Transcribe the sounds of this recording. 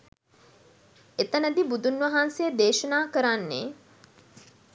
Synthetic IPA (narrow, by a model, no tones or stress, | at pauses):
et̪ənəd̪ibud̪unʋɐɦansejəd̪eːʃənaːkəɾanːḛ